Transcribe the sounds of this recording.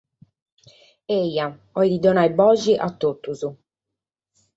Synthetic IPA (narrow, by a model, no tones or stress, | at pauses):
eja | ɔjd̪id̪ɔnajbɔd͡ʒiʔat̪ːot̪ːuzu